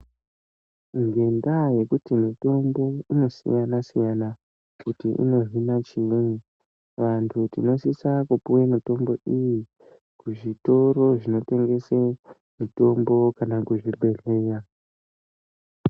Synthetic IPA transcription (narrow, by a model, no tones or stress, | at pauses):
ŋɡe̞ndaje̞kutimito̞mbo̞ino̞sḭjanasijana | kkutiʔḭno̞rinat͡ʃine | ʋantʰutino̞sisakupuwemito̞mbo̞iji | kuʐito̞ɾo̞ʐino̞te̞ŋɡe̞se | mito̞mbo̞kanakuʐiɓe̞reja